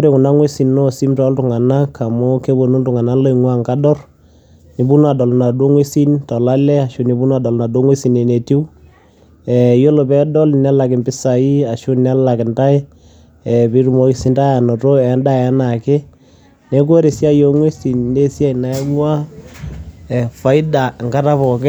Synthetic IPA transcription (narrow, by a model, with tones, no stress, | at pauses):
o˦ɾe˨kʊ˨na˦ŋwe˦si˨nno˦si˦mtɔ˨˦ltʊ˨ŋa˨na˦ka˨mo˦ke˦bo˨nu˦ntʊ˨ŋa˨na˦lo˦i˨ŋwa˦ŋka˦dɔ˦r | ni˨bu˦n˦a˨dɔ˨lna˨do˦ŋwe˦si˦ntɔ˨la˦lɛ˦a˨ʃʊ˦ni˨bu˦n˦a˨dɔ˨lna˨do˦ŋwe˦si˨ne˨ne˨ti˦w | ɛ˨jo˦lo˨pɛ˦dɔ˦lnɛ˦la˨kɪ˨mpɪ˦sa˨i˦a˨ʃʊ˦nɛ˦la˨kɪ˨nta˦j | ɛ˨pi˦ɾu˨mɔ˦i˨si˦nta˦ja˨nɔ˨to˦ɛ˨˦nda˦a˦na˨kɪ˦ | ne˦k̬o˦ɾe˨sja˦jo˦ŋwe˦si˨nne˦sja˦ina˨˦ŋwa˦ | ɛ˨fa˦ɪ˦da˨ŋɡa˦ta˦pɔ˨kɛ˦